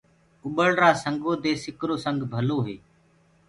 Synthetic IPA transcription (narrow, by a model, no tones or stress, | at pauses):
ʊɓəɭɾaːsəŋɡoːd̪eːsɪkɾoːsəŋɡbʱəloːɦeː